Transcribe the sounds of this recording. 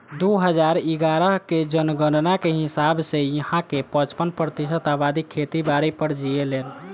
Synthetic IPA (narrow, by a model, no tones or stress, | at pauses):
d̪uɦəd͡ʒaɾiɡaɾəɦked͡ʒənɡənnakeɦisabsejiɦãkepə̃t͡ʃpənpɾət̪isət̪abad̪ikʰet̪ibaɾəpəɾd͡ʒielel